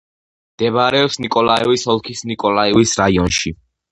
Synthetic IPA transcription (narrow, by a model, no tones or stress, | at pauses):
md̪̥ɛβɾɛɔpsnikʼɔlˠaɛvisɔlˠkʰisnikʼɔlˠaiwisɾaiɔnʃi